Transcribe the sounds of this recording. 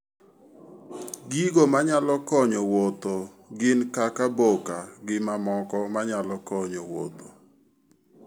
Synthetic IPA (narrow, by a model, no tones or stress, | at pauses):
ɡiɡomaɲalɔkɔɲɔwot̪o | ɡɪnkakabokaɡɪmamɔkɔmaɲalɔkɔɲɔwo̰t̪o